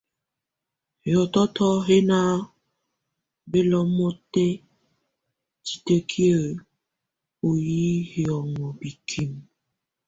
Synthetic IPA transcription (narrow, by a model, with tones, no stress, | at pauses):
hjɔ˨tɔ˦tɔ˦ɦe˦na˦ | be˦lɔ˦m˦o˦te˦ | t͡ʃi̥˨te˦kʰi˦e˨ | o˨ji˦ɦjɔ˨ŋʷɔ˨bi˨kʰi˦m˨